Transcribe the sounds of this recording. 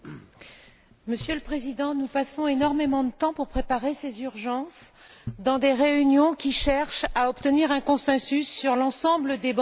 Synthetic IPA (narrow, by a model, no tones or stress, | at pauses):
məsjøləpχezid̪ɑ̃nupasɔ̃enɔʁmemɑ̃d̪ət̪ɑ̃puʁpχepaʁesezyʁʒɑ̃sd̪ɑ̃d̪eʁeynjɔ̃kʲiʃɛʁʃaɔpt̪əniʁɛ̃kɔ̃sɛ̃sysːyʁlɑ̃sɑ̃bləd̪eb